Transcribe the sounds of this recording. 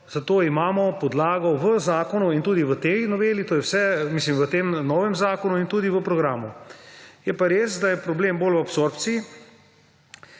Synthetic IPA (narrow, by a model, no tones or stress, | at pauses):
z̥at̪oːimaːmɔpɔd̪laːɡɔʋəzaːkɔnuint̪uːd̪iʋət̪ejnɔʋeːlit̪oːjɛwsɛmislimʋət̪eːmnɔːʋɛmzaːkɔnuint̪uːd̪iʋəpɾɔɡɾaːmu | jɛpaɾeːsd̪ajɛpɾɔbleːmbolwapsoɾpt̪sii